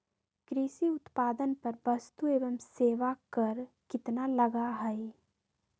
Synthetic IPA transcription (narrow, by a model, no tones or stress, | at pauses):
kɾisiʊt̪paːd̪ənpɐɾbɐst̪ueːʋəmseːʋakɐɾkɪt̪nalɐɡaɦɛe